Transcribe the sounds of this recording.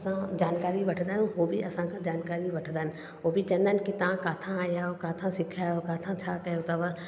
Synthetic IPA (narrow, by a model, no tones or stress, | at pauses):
sãd͡ʒaːnkaːɾibɐʈʰd̪anɦobʱiɐsãkad͡ʒaːnkaːɾibɐʈʰd̪ən | obʱit͡ʃə̃nd̪ənkit̪ãːkaːt̪ʰãaːjaokaːt̪ʰãsɪkʰaokaːt̪ʰãt͡ʃʰaːkɐjot̪aʋa